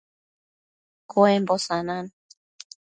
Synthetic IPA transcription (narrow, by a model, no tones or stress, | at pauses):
koɛmbɔsanan